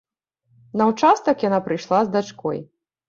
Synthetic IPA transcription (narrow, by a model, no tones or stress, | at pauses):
nɐwt͡ʂast̪ɐkjanapɾɨjʂlˠazd̪at͡ʂkɔj